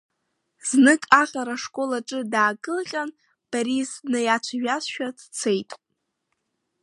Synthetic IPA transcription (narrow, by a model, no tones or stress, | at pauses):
z̥nɨkʼaχʲʼaɾaʂkʼo̞laʈ͡ʂʼɨdaːkʼɨlqʲʼan | b̥aɾiznɨjat͡ʃʷʰaɥᶣasʃᶣadt͡sʰe̞jtʼ